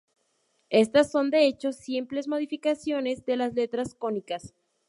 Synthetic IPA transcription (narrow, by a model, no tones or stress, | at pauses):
e̞st̪asːo̞nd̪e̞et͡ʃo̞sjemple̞zmo̞ð̞ifikasjo̞ne̞zd̪e̞lasle̞t̪ɾasko̞nikas